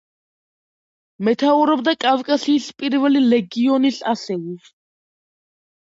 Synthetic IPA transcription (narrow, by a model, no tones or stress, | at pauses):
mɛt̪ʰauɾɔb̚d̪akʼavkʼasiːɬpʼiɾvɛlilɛɡiɔniɬasɛwi